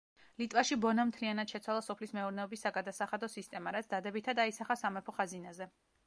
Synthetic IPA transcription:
lit̪ʼvaʃibɔnamt̪ʰlianad̪ʃɛt̪sʰwalˠasɔpʰlismɛuɾnɛɔbisːaɡad̪asaχad̪ɔsist̪ʼɛmaɾat̪sʰd̪ad̪ɛbit̪ʰad̪aisaχasamɛpʰɔχazinazɛ

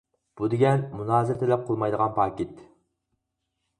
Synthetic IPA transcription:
b̥ud̪ɪɡʲɛnmunɑːzɪɾt̪ʰelɛp̚qʰəlˠmɑjd̪əʁɑnpʰɑːkʲit̪

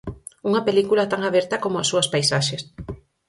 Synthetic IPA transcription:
uŋɐpelikulat̪aŋaβɛɾt̪ɐkomoasːuaspajsaʃes

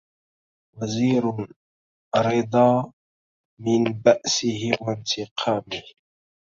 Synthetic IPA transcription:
waziːɾ | ɾɪd̪ˤɑː | mɪnbaʔsɪhɪwant̪ʰɪqʰɑːmɪh

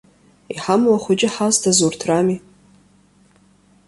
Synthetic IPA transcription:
iħamwaχʷʊt͡ʃʼɪħaztʰazurtʰrami

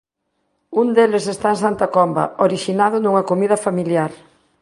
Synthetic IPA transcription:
und̪elɪsest̪aensant̪ɐkɔmbɐ̰oɾiʃinað̞ʊnuŋɐkomið̞ɐfamiljaɾ

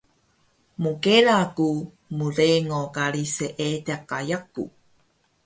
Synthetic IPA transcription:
mukeɾaku | muɾeŋokaɾiseʔeteakajakṵ

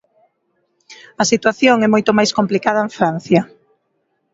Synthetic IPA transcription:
ɐsit̪waθjoŋɛmojt̪omajskomplikaðɐeɱfɾan̟θjɐ

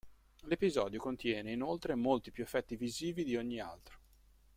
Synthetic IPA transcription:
lepizɔːd̪jokont̪jɛːneinolt̪ɾemolt̪ipjuefːɛt̪ːiviziːvid̪ioɲːia̰lt̪ɾo̥

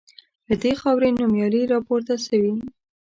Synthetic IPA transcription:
ləd̪exɑwɾenumjɑɾiɾɑpoɾt̪aʃawi

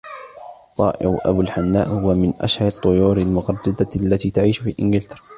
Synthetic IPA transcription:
t̪ˤɑːʔɪ̰ɾʔa̰bulħanːaːʔhʊwamɪnʔa̰ʃhaɾɑt̪ˤːʊjuːɾalmʊqɑdˤːɑd̪alːat̪iːt̪aʕiːʃfiːlʔɪnɡɪlt̪ɑɾˤɑ

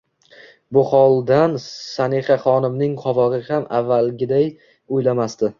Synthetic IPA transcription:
bʊχɒlˠd̪ansaneχaχɒnɪmnɪŋqʰɒvɒʁɨhamavːalɡʲɪd̪aj | ojlamast̪ɪ

